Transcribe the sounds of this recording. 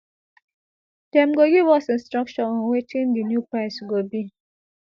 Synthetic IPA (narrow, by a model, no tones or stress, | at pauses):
dɛ̃mɡoɡiwɔsĩnstɾɔk̚t͡ʃɔɔ̃nwetʰĩndinjupaɪsɡobi